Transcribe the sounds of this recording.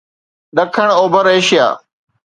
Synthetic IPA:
ɗ̪əkʰəɳ̃oːbəɾeːʃɪja̰ː

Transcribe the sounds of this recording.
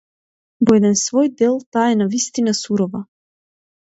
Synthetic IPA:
vɔɛd̪ɛnsvɔjd̪ɛlˠt̪aːɛnavist̪inasuɾɔva

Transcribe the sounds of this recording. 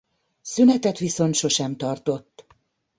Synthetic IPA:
synɛt̪ɛt̪ʋiso̞nt̪ʃo̞ʃɛmt̪ɒrt̪o̞t̪ː

